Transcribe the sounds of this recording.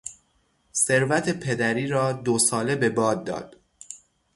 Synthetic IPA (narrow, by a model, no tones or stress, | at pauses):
se̞ɾvæt̪ʰe̞pʰe̞d̪æɾiːɾɒːd̪osɒːle̞bebɒːd̪̚ːɒ̰ːd̪̥